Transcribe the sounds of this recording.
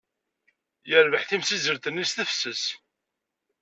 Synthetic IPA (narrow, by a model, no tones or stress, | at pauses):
jəɾvəħθimsizəɾθənːisθəfsəs